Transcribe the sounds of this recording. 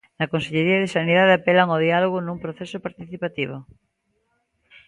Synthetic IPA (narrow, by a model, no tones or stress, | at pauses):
nɐkõnseʎeɾiaðesaniðaðeapelaŋoðialoɣ̞onũŋpɾoθesopaɾt̪iθipat̪iβ̞o